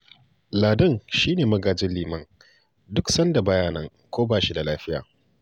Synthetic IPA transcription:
laː˨dɐ˦ŋʃiː˦neː˨mɐ˦ɡaː˨d͡ʒɪ˦liː˨mɐ˦ŋ | dʊ˦ksɐ˦nda˨baː˦jaː˦nɐ˦ŋ | kʷoː˦baː˦˨ʃi˦da˨laː˦ɸɪ˦ja̰ː˨

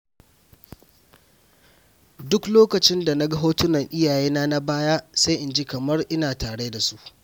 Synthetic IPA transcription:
dʊ˦kloː˦kɐ˨t͡ʃɪ˦nda˨na˦ɡɐ˦ɦoː˦tʊ˦nɐ˨ŋʔɪ˦jaː˨jeː˦naː˦na˦baː˦ja˦sa˦jʔɪ˨nd͡ʒi˦kɐ˨mɐ˦rʔɪ˦naː˨taː˨ɽe˦da˨su˦ʔ

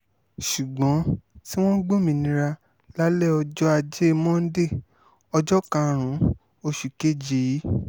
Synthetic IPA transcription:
ʃu˨ɡ͡bɔ̃˨˦ti˦w̃ɔ̃˦ɡ͡bo˦˨mĩ˧nĩ˧ɾa˧ | la˦lɛ˦ɔ˧d͡ʒɔ˦a˧d͡ʒe˦˧mɔ̃˦n̩˦de˦˨ | ɔ˧d͡ʒɔ˦kã˧˨ɾ̃ũ˨˦ | o˧ʃu˨ke˦d͡ʒi˨˦

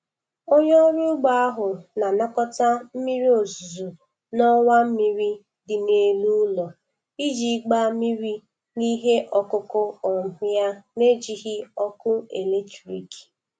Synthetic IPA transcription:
o˦ɲɔ˦ɾu˦ɡ͡ba˦a˦ɦʊ˨na˨na˦kɔ˦ta˦m̩˦mi˦ɾi˦o˨zu˨zu˨ | nɔ˦ŋa˦m̩˦mi˦ɾi˦ | dɪ˨ne˨lu˦lɔ˨ | i˦d͡ʒi˨˦ɡ͡ba˦mi˦ɾi˦ | ni˦ɦe˦ʔɔ˨kʊ˦kʊ˦ɔ˨m̩˨ɦʊ˦ja˦ne˦d͡ʒi˨ɦɪ˦ɔ˦kʊ˦e˨le˦t͡ʃu˨ɾḭ˨ki̥˨

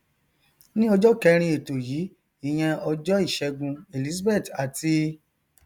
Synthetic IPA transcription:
nĩ˦ɔ˧d͡ʒɔ˦kɛ˧ɾ̃ĩ˧˦e˨to˨ji˨˦ | i˦˨j̃ɛ̃˧ɔ˧d͡ʒɔ˦i˦˨ʃɛ˧ɡũ˧e˨li˦sbɛ˦˨ta˨ti˧

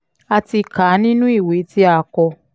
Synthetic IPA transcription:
a˧ti˧kaː˨˦nĩ˦nũ˦i˦˨we˨˦ti˦a˧˨˦kɔ˧

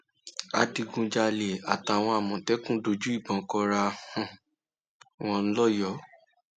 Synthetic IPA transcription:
a˨di˧ɡũ˧d͡ʒa˧le˨a˨ta˨w̃ɔ̃˧a˨mɔ̃˨tɛ˨˦kũ˦do˧d͡ʒu˦i˦˨bɔ̃˨kɔ˧ɾa˧hɔ̃˨ | w̃ɔ̃˧n̩˦lɔ˦jɔ˨˦

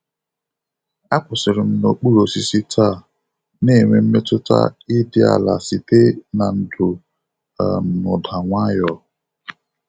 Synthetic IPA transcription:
a˦kʷʊ˨sɪ˨ɾɪ˨m̩˦no˨k͡pu˦ɾo˨si˦si˦tʰa˦˨ | ne˦˨ŋʷe˨m̩˦me˦tʊ˦ta̰˦i˦dɪ˦a̰˨la̰˨si˨te˦na˨n̩˨dʊ˨ | a̰˨nʊ˨da˨ŋʷa˦jɔ˨

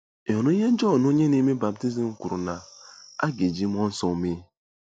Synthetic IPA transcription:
e˨ɦɔ˨o˦i˦ɦe˦n̩˦d͡ʒɔ˦˨no˦ɲe˦ne˦me˦ba˨b̚ti˦zi˨m̩˦kʷu˨ɾu˨na˨a˦ɡe˨d͡ʒi˦m˦ɔ˦n̩˦sɔ˨˦me˦

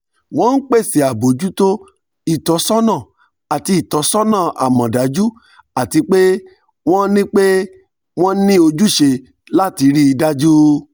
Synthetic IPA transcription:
w̃ɔ̃˦n̩˦k͡pe˦˨si˨a˨bo˨d͡ʒu˦to˦ | i˦˨tɔ˨˧˦sɔ˦nã˦˨ | a˨ti˧i˨tɔ˨˧˦sɔ˦nã˦˨a̰˨mɔ̃˨da˨˦d͡ʒu˦ | a˨ti˨˧k͡pe˦ | w̃ɔ̃˦nĩ˦k͡pe˦ | w̃ɔ̃˦nĩ˦o˧d͡ʒu˦ʃe˧ | la˦ti˧ɾi˦i˧da˦d͡ʒu˦

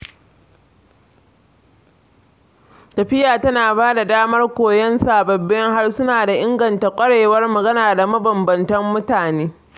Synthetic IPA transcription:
tɐ˨ɸɪ˦jaː˨tɐ˦naː˨baː˦da˨daː˦mɐ˦rkʷoː˨jɛ˦nsaː˨bɐ˨bːɛ˦ŋɦa˦rsʊ˦naː˨da˨ʔɪ˦ŋɡɐ˨nta˨kʷʼɐ˦ɽeː˨wɐ˦rmɐ˨ɡɐ˦naː˨da˨mɐ˦bɐ˨mbɐ˨ntɐ˦mːʊ˦taː˨neː˦

